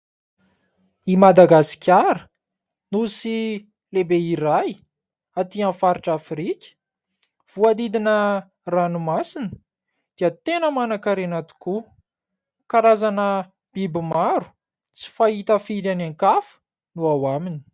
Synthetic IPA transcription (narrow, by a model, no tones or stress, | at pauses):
imad̪aɡasi̥kʲaɾə̥ | nusi | lebeiɾaj | at̪iãfaɾiʈ͡ʂafɾikʲə̥ | v̥uad̪id̪inə | ranumasinə̥ | d̪̥iət̪enəmanakaɾenat̪u̥ku | kaɾazanə | b̥ibimaɾu̥ | t͡si̥faɦit̪afid̪anaŋkafə̥ | nuawamini̥